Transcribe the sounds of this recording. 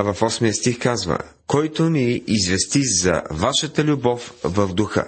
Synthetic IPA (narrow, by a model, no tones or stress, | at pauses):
vɐfɔsmijəst̪ixkazvə̰ | kɔjt̪oniizvɛst̪izɐ̰vaʃət̪əlʲʊbɔfvəvd̪ʊxə̰